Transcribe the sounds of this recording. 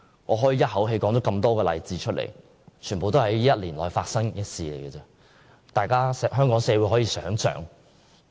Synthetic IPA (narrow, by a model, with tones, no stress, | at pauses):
ŋɔː˨˧ɦɔː˨˥jiː˨˧jɐ˥t̚hɐ˨˥wɦe˧jkɔː˨˥ŋt̪o˨˧˥kɐ˧mt̪ɔː˥kɛː˧lɐ̰˨jt͡siː˧˥t͡ʃʰɵ˥t̚lḛ˨˩j | t͡ʃʰyː˨˩npo˨wt̪o˥hɐ˨˥jjɐ˥t̚liː˨˩nlɔː˨˩jfaː˧t̚sɐ˥ŋjɐ˥t̚siː˨˧le˨˩jɡɛ˧t͡sɛ˧ | t̪aː˨jkaː˥sɛ˨˧ɦœː˥ŋkɔː˨˥ŋsɛː˧wu˨˥jɦɔː˨˥jiː˨˧sœ̰ː˨˥ŋsœ̰ː˨˥ŋ